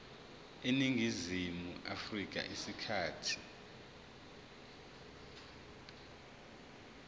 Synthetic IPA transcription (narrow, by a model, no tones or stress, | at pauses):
eniŋʱizimuʔafrik̬a̰ʔisikʰaːtʰi̥